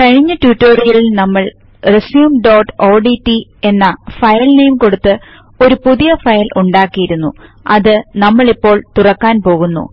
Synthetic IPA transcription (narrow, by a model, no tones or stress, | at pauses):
kɐɻiɲːɐtjuʈːoːrijɐɭilnɐmːɐɭ | resjuːmɖo̞ːʈːoːɖitːie̞nːɐfɐjɐlnejmko̞ɽut̪ːɨ | o̞ɾupuðijɐfɐjɐlʔuɳɖaːkːijiɾunːṵ | ɐðɨnɐmːɐɭipːo̞ːɭt̪urɐkːaːnpo̞ːɣunːṵ